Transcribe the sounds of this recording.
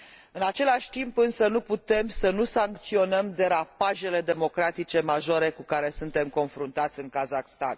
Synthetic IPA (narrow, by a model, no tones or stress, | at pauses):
ɨnat͡ʃe̞laʃʲt̪impɨnsənuput̪e̞msənusaŋk̚t̪sio̞nəmd̪e̞ɾapaʒe̞le̞d̪e̞mo̞kɾat̪it͡ʃe̞maʒoɾe̞kukaɾe̞sunt̪e̞mko̞nfɾunt̪at̪sʲɨŋkazaxst̪a̰n